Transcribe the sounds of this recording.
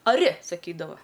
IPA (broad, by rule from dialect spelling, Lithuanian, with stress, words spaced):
ɐˈrʲɪ sɐˈkʲiːdɐʋɐ